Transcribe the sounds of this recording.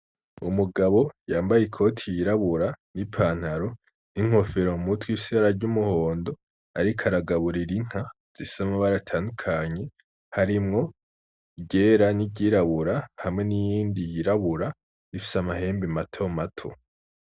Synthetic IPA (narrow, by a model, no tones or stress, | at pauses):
ṵmuɡaβo̞jaːmbajekʰo̞tʰijiɾaβuɾanipʰaːn̥haɾo̞ | niŋ̥o̞fe̞ɾoumutwiːsiaɾaɾɟumuho̞ːndo̞ | aɾikʰaɾaɡaβuɾiɾiŋ̥ha | z̥isamaβaɾatʰaːndukʰaɲe̞ | haɾimŋo̞ | iɟe̞ːɾaniɟiːɾaβuɾahamŋe̞nijiːndijiɾaβuɾa | ifi̥samahe̞ːmbematʰo̞matʰo̰